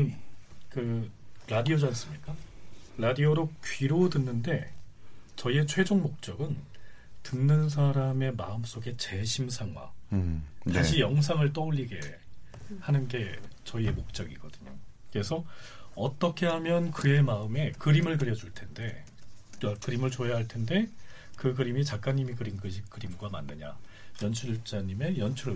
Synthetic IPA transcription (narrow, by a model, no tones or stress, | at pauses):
kɯɾadiod͡ʑaʌs͈ɯmɲik͈aɾadioɾopɥiɾodɯnːɯnde̞ | t͡ɕʌie̞t͡ɕʰwe̞d͡ʑoŋmok̚t͡ɕ͈ʌɡɯntɯnːɯns̬ʰaɾame̞maɯms͈oɡe̞t͡ɕe̞ɕʰimsʰaŋwa̰ | taɕʰijʌŋs̬ʰaŋɯɭt͈ʌuʎːiɡe̞̰ | hanɯnɡe̞t͡ɕʌie̞mok̚t͡ɕ͈ʌɡiɡʌ̰d̥ɯɲo̰ke̞sʰʌʌt͈ʌkʰe̞ɦhamjʌnkɯe̞maɯme̞kɯɾimɯɭkɯɾjʌd͡ʑuɭtʰe̞nde̞ | kɯɾimɯɭt͡ɕojaɦaɭtʰe̞nde̞kɯkɯɾimit͡ɕak̚k͈aɲːimikɯɾimɡɯd͡ʑikɯɾimɡwama̰nːɯɲa̰jʌnt͡ɕʰut͡ɕ͈aɲime̞jʌnt͡ɕʰuɾɯ